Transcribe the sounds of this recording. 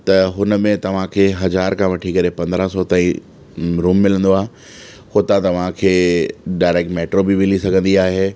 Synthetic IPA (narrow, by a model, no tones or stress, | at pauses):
t̪ɐɦʊnə̆mẽt̪ɐʋ̤ãkʰeːɦɐzaːɾkʰãʋɐʈʰikɐɾepɐ̃nd̪ɾasɔt̪ãːĩ | ɾuːmːɪlə̃nd̪oaːɦe | hot̪ãt̪ɐʋ̤ãkʰeːɖaːɪɾeːk̚ʈmeːʈɾobiʋɪlisɐɡʱə̃nd̪iaːɦeː